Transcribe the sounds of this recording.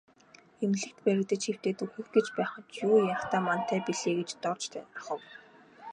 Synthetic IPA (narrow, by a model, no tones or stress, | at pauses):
emɮɘ̆kt̪pæɾʲɪ̆kt̪ə̆t͡ɕxew̥t̪eːt̪uxɘ̆xɡet͡ɕpæːχə̆t͡ɕjuːjaxt̪aːman̥t̪æːpiɮeːɡet͡ɕt̪ɔrt͡ɕt̪ʰæ̰ːt̪ə̆χɞ̆w